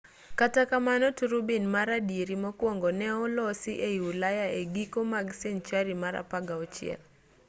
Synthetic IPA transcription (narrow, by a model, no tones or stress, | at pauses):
katakamanɔtuɾubinmaɾadieɾimɔkwɔŋɡɔnɛɔlɔsiʔeiwulajaeɡikomaɡsɛnt͡ʃaɾimaɾa̰paɡaɔt͡ʃɪɛ̰l